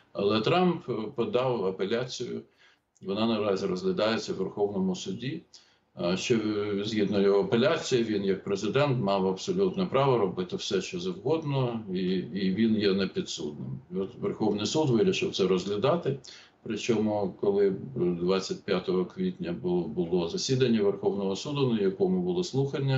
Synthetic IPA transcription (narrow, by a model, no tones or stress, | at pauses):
ɐ̰lˠɛt̪ɾɑmppɔd̪ɑwɐpelʲat͡sʲijʊ | iʋɔnɑnɐɾɑzʲiɾɔzlʲɐd̪ɑjet͡sʲːɐwʋerxɔwnɔmʊsʊdʲi | ʃt͡ʃɔzʲɦid̪nɔjɔɦɔɐpelʲat͡sʲijiʋʲinjɐk̚pɾezɪd̪ɛnt̪mɑwɐbsɔlʲut̪nɛpɾɑʋɔɾɔbɪt̪ɪwsɛʃt͡ʃɔzɐwɦɔd̪nɔiːʋʲinjɛnɛpʲid̪sṵd̪nɪ̰mɔt̪ʋerxɔwnɪjsud̪ʋɪɾʲɪʃɪwt̪sɛɾɔzɦlʲɐd̪ɑt̪ɪ | pɾɪt͡ʃɔmʊkɔlˠɪd̪ʋɑt͡sʲːɐt̚ʲpʲjat̪ɔɦɔkʋʲit̪ʲnʲɐbbʊlˠɔzɐsʲid̪ɐnʲːɐʋerxɔwnɔɦɔsud̪ʊnɐjɐkɔmʊbʊlˠɔslˠuxɐnʲːɐ